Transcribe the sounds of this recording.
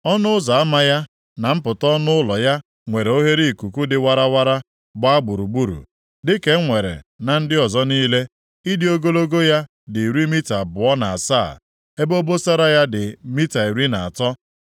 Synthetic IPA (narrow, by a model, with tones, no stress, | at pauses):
ɔ˦nʊ˦za˨a˦ma˦ja˦ | na˨m̩˦pʊ˨tɔ˦nʊ˦ʊ˦lɔ˨ja˦ | ŋʷe˨ɾe˨o˦ɦe˦ɾi˦˨ku˨ku˦dɪ˨wa˦ɾa˦wa˦ɾa˦ | ɡ͡ba˦a˦ɡ͡bu˨ɾu˨ɡ͡bu˦ɾṵ˨ | dɪ˦ke˦ŋʷe˨ɾḛ˨na˨n̩˦dɪ˦ɔ˨zɔ˦niː˦le˦ | i˦dɪ˦o˦ɡo˦lo˦ɡo˦ja˦ | dɪ˨ɾi˦mi˦ta˨bʊ˨ɔ˦na˨a˨saː˦˨ | e˦bo˦bo˦sa˦ɾa˦ja˦dɪ˨mi˦ta˨i˨ɾi˦na˨a˨tɔ˦